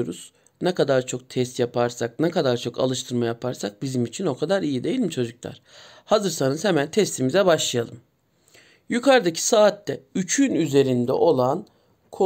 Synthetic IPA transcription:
ɾuz̥ | nɛkad̪aɾt͡ʃʰo̞k̚t̪ʰɛst̪japʰaɾsak̚nɛkad̪aɾt͡ʃʰo̞kʰa̰lˠɯʃt̪ʰɯɾmajapʰaɾsak̚bizimit͡ʃʰino̞kʰad̪aɾijid̪e̞jilʲimt͡ʃʰo̞d͡ʒuklˠa̰ɾ̥hazɯɾsanɯzhɛmænt̪ʰɛst̪ʰimizɛbaʃlˠajalˠɯm | jukʰaɾd̪acʰi̥saːt̪ːɛyt͡ʃʰynyze̞ɾind̪ɛ̰ʔo̞lˠan | kʰo

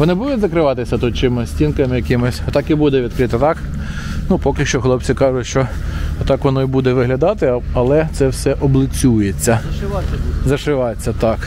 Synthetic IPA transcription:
ʋɔnɪbud̪ʊtʲzɐkɾɪʋɑt̪ɪsʲɐt̪ut̪̚t͡ʃɪmɔsʲtʲinkɐmɪjɐkɪmɔsʲɔt̪ɑkibud̪ɛʋʲid̪̚kɾɪt̪ɪt̪ɑk | nupɔkʲilʲʃt͡ʃɔxlˠɔp̚t͡sʲikɑʒʊtʲʃt͡ʃɔɔt̪ɑkʋɔnɔibud̪ɛʋɪɦlʲɐd̪ɑt̪ɪɐlˠɛt̪sɛwsɛʔɔblˠɪt͡sʲːujet͡sʲːɐ | zɐʃɪʋɑt͡sʲːɐt̪ɑk

